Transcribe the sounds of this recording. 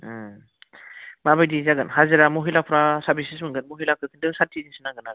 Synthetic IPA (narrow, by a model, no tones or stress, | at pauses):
mabajdizaɡɯnhazɯɾamɔɦilapʰɾasaɾbʱisismɯŋɡɯnmoɦilakʰɯkʰɯndɯŋsatʰizinsɯnaɡɯnaɡɯ